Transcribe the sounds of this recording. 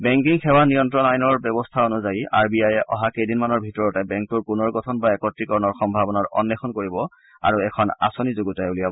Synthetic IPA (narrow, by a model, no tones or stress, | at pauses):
bɛŋk̬iŋxɛwanijɔntɹɔnajnɔɹbɛbɔstʰaonuzajiʔa̰ɹbiajɛʔɔɦakejdinmanɔɹbʱitɔɹɔtɛbɛŋk̚tuɹpunɔɹɡɔtʰɔnbaɛkɔtɹikɔɹɔnɔɹxɔmbʱabɔnaɹɔ̰nːɛxʰɔnkoɹibɔ | a̰ɹuɛkʰɔna̰sonizoɡutaulijabɔ